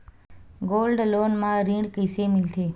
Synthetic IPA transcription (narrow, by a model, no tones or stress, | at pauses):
ɡolɖloːnmãɾĩːɳkəjsemɪlt̪ʰeː